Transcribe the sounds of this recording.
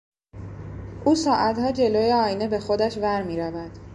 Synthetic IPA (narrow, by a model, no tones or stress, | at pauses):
ʔuːsɒːʔæt̪hɒːd͡ʒe̞loːjeɒːjine̞be̞xo̞d̪æʃvæɾmiːɾævæd̪̥